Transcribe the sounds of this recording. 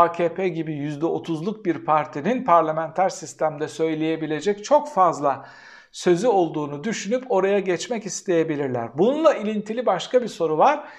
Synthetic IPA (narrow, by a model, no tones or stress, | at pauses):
aːcʰeːpʰeɟibijyzd̪ɛo̞t̪ʰuzlˠuk̚biɾpʰaɾt̪ʰininpʰaɾlʲamænt̪ʰæɾsist̪ʰæmd̪ɛsø̞jlʲeje̞bilʲe̞d͡ʒɛct͡ʃʰo̞kfazlˠa | sø̞zyo̞lˠd̪uːnud̪yʃynypo̞ɾajaɟɛt͡ʃmɛcist̪ʰe̞je̞bilʲiɾlʲæ̰ɾbununlˠailʲint̪ʰilʲibaʃkabiso̞ɾuvaɾ̥